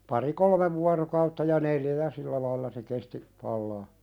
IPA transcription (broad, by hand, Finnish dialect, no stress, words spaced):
pɑri kolmeʋ ʋuɑrokɑutːɑ jɑ neljæ jɑ silːæ lɑilːɑ se kesti pɑlːɑː